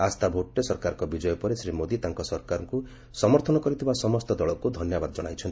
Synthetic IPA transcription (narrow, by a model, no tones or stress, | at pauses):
ast̪abʱoʈɾesɔɾkaɾɔ̃ŋkɔbid͡ʒɔjɔpɔɾesɾimod̪it̪aŋkɔsɔɾkaɾɔŋku | sɔmɔɾt̪ʰɔnɔkɔɾit̪ʰibasɔmɔst̪ɔd̪ɔɭɔkud̪ʱɔnjɔbad̪ɔd͡ʒɔɽ̃ajt͡ʃʰɔnt̪